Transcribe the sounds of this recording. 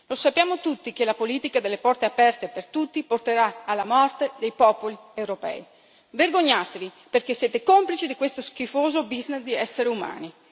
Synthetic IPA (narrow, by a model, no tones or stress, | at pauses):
losapːjaːmot̪ut̪ːik̟elapoliːt̪ikad̪elːepɔrt̪eapɛrt̪epert̪ut̪ːiport̪eɾaalːamɔrt̪ed̪ejpɔːpoli | ewɾopɛ̰ːj | verɡoɲːaːt̪evi | perkesːjeːt̪ekomplit͡ʃid̪ikwest̪osk̟ifoːzobizned̪iɛsːeɾeuma̰ːni